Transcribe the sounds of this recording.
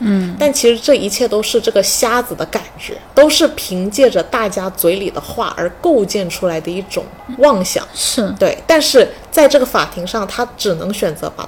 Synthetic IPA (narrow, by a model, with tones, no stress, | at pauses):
t̪a˥˩nt͡ɕʰi˧˥ʂɻ̩˧˥ʈ͡ʂɤ˥˩i˧˥t͡ɕʰjɛ˥˩t̪o˥ʊʂɻ̩˥˧ʈ͡ʂɤ˥˩ɡə˩ɕja˥d͡zɹ̩˨˩d̪ə˦ka˨˩nt͡ɕɥɛ̰˧˥t̪o˥ʊʂɻ̩˥˩pʰi˧˥ŋt͡ɕjɛ˥˩ʈ͡ʂə˩t̪a˥˩t͡ɕja˥t͡swe˧˥ɪli˨˩d̪ə˦xwa̰˥˩ʔə̰˞˧˥ko˥˧ʊt͡ɕjɛ˥˩nʈ͡ʂʰu˥la˧˥ɪd̪ə˧i˥˩ʈ͡ʂʊ̰˨˩ŋwɑ˥˧ŋɕjɑ̰˨˩˦ŋʂɻ̩˥˩t̪we˥˩ɪt̪a˥˧nʂɻ̩˥˧t͡sa˥˧ɪʈ͡ʂɤ˥˩ɡə˩fa̰˨˩t̪ʰi˧˥ŋʂɑ˥˩ŋt̪ʰa˥ʈ͡ʂɻ̩˨˩nɤ˧˥ŋɕɥɛ˨˩nt͡sɤ̰˧˥pa̰˨˩